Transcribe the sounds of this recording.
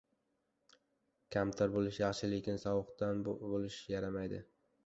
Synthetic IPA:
kʲʰamt̪ʰaɾbolɪʃjɑχʃɪlekʲɪnsɒwɨqt̪anbolɪʃjaɾamajd̪ɪ

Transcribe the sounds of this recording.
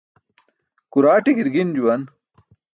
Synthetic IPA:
kuɾaːʈiɡiɾɡind͡ʑuwɐn

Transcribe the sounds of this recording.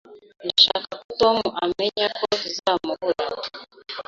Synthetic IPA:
ndaʃaːkakutomuʔame̞ɲakozizaːmuβuɾa

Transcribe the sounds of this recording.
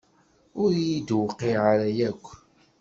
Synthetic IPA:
ʊɾjid̪wqːiʕaɾæjækʷː

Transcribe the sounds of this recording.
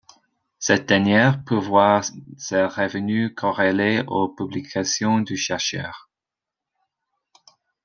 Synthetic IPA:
sɛt̪̚d̪ɛnjɛʁpøvwaʁseʁəvənykʰɔʁeleopyblikʰasjɔ̃d̪yʃɛʁʃœ̰ːʁ

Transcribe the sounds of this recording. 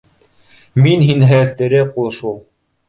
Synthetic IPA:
minɦinɦæθt̪ɘ̆ɾɘqulˠɤʃulˠ

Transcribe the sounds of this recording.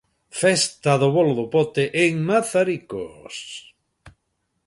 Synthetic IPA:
fɛst̪aðoβoloðopot̪eʔeŋmaθaɾiko̰s

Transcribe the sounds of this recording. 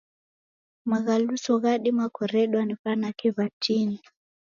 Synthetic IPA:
maɣalusɔɣaɗimakɔɾɛɗwaniɸanakiβat͡ʃini

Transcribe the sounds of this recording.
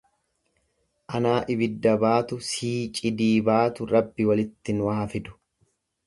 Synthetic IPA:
ʔɐnaːʔɪbɪd̪ːɐbaːt̪ʊsiːt͡ʃʼɪd̪iːbaːt̪ʊɾɐbːɪwɐlɪt̪ːɪnwaːfɪd̪ʊ̥

